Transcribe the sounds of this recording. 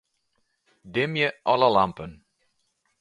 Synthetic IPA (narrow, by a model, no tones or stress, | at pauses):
dɪmjəʔɔləlampən